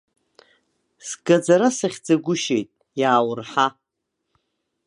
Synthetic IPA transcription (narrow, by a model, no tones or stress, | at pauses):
sɡad͡zaɾasɨχʲd͡zaɡʷʊʃejtʼ | jaːwʊrħa